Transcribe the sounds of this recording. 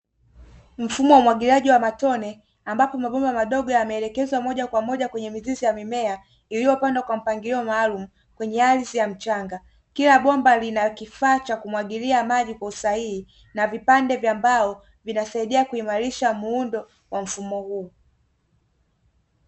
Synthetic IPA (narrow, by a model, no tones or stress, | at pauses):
m̩fumɔwumwaɡilaʄiwamatɔnɛ | ambapɔmaɓɔmbamaɗɔɠɔjamɛːlɛkɛzwamɔʄakwamɔʄakwɛɲɛmizizijamimɛa | iliwɔpandakwam̩paŋɡiɾiɔmaːlumu | kwɛɲɛalizijam̩t͡ʃaŋɡa | kilaɓɔmbalinakifaːt͡ʃakumwaɠiliamaʄikwausaihi | navipandɛvjambaɔ | vinasaiɗiakuimaɾiʃamuundɔ | wam̩fumɔhu